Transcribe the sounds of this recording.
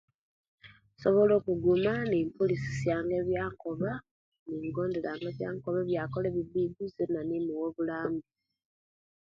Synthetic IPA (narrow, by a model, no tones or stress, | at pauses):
soβo̞lo̞ːkuɡumaniːmpolisi̥sjaːŋɡe̞βjaːŋkoβa | niβiɡo̞ːndelaːŋɡeβjaːŋkoβeβjakoleβiβiːdizinanimuwoβulaːmbi